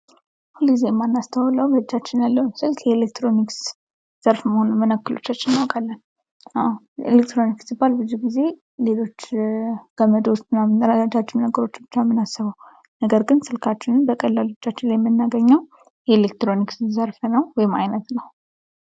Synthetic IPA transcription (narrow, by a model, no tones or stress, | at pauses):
hulɡizejɛmːanːast̪ʰəwləwbəɨd͡ʒːat͡ʃːɪnjalːəwsɨlkjɛlek̚t̪ɾo̞niks | z̥əɾfməhonmənəkːɨlo̞̰t͡ʃːat͡ʃːɪnːawkʼalːən | ʔaw | elek̚t̪ɾo̞niksɨbːalbɨzːuɡize̞ | le̞lo̞t͡ʃːkʰəməd̪o̞st̪ɨnːamnəɾad͡ʒat͡ʃːɪmnəɡəɾo̞t͡ʃːbɨt͡ʃːamːɨnasːɨβəw | nəɡəɾɡɨnsɨlkʰat͡ʃːɪnɨnbəkʼəlːalo̞t͡ʃːat͡ʃːɪnlajɛmːɨnːaɡəɲːəw | jɛelekt̪ɾonikszəɾfnəwwɔjɪmajnət̪nəw